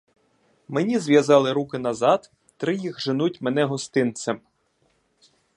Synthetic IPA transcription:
menʲizʋjɐzɑlˠɪɾukɪnɐzɑd̪ | t̪ɾɪjixʒɪnutʲmenɛɦɔst̪ɪnt̪sɛm

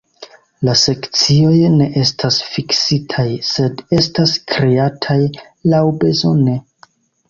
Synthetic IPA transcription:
lase̞kt͡sio̞jne̞ʔe̞stʰasfiksitʰajse̞de̞staskɾe̞atʰaj | lawbe̞zo̞ne̞

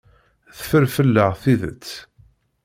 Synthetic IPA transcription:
θfəɾfəlːəʁθiðə̰t͡sː

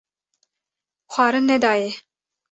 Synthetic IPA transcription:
xʷɑːɾɨnnɛd̪ɑːje

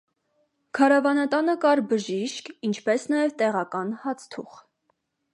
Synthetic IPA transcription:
kʰɑɾɑvɑnɑt̪ɑnəkɑɾbəʒiʃkint͡ʃʰpɛsnɑjɛvt̪ɛʁɑkɑnhɑt͡sʰt̪ʰṵχ

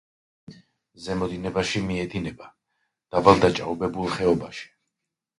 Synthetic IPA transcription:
zɛmɔd̪inɛbaʃimiɛd̪inɛba | d̪̥abalˠd̪at͡ʃʼa̰ɔbɛbulˠχɛɔbaʃi̥

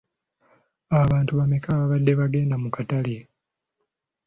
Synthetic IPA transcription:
aβaːntuβamekaβaβadːe̞βaɡe̞ːndamukatale

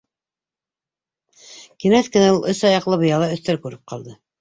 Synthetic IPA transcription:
kinæskɘ̆næulˠʔɵsɑjɑqlˠɤbɤ̆jɑlˠɑɵ̆θt̪æɾkʉɾɘp̚qʰɑ̰lˠd̪ɤ

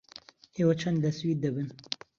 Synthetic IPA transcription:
ewat͡ʃʰɐnd̪lɐswiːd̪̚ːɨbɨn

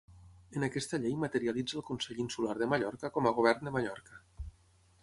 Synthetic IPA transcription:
ənakɛst̪əʎejmat̪əɾialid͡zəːlˠkunsɛʎinsulaɾðəmaʎɔɾkəkɔməɣ̞oβ̞ɛrnd̪əmaʎɔɾkə

